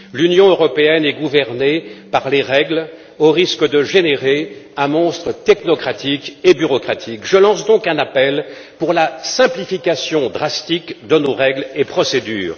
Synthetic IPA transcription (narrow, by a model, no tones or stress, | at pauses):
lynjɔ̃øʁɔpeɛnɛɡuvɛʁnepaʁleʁɛɡl | oʁiskəd̪əʒeneʁeɛ̃mɔ̃st̪χət̪ɛknɔkχat̪ikebyʁɔkχat̪ʰikʒəlɑ̃sd̪ɔ̃kɛ̃napɛl | puʁlasɛ̃plifikasjɔ̃d̪ʁast̪ikd̪ənoʁɛɡlepχɔsed̪y̰ːʁ